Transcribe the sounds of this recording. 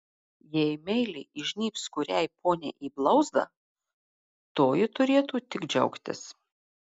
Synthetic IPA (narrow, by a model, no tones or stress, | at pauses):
jɛɪmʲɛɪlʲɪʔɪʒʲnʲiːpskʊɾʲɛɪpoːnʲḛːʔiːblˠɒʊzd̪ɐ̰ | t̪oːjɪt̪ʊɾʲeːt̪uːt̪ʲɪɡd͡ʒʲɛ̰ʊkt̪ʲɪ̰s